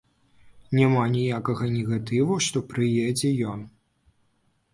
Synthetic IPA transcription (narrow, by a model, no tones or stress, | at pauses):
nʲamanʲijakɐɣɐnʲɛɣat̪ɨvuʂt̪ɔpɾɨjɛd͡zʲɛjɔn